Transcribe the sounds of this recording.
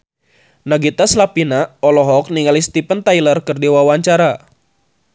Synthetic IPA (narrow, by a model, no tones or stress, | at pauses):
naɡit̪aslapinaɔlɔɦɔk̚niŋalist̪ipənt̪ajlərkɨrdiwawaɲt͡ʃaɾa